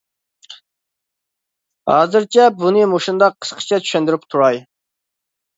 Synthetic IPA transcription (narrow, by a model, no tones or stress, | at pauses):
hɑ̰ːzɨɾt͡ʃʰɛbunɨmoʃund̪ɑqʰːə̥sqʰə̥t͡ʃʰɛt͡ʃ̪ʰy̥ʃɛnd̪yɪɾyp̚t̪ʰuɾɑj